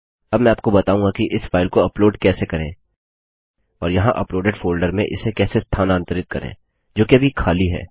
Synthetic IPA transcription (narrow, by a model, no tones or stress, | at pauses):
ɐbmɛ̃aːp̚kobɐt̪aːũːŋɡakiʔɪsfaːɪlkoɐploːɖkɛːsekɐɾḛ̃ː | ɔːɾjɐɦãʔɐploːɖeɖfoːlɖəɾmẽʔɪ̰sekɛːsest̪ʰaːnãːnt̪əɾɪt̪̚kɐɾḛ̃ː | d͡ʒoːkiɐbʱikʰaːliɦɛ̰ː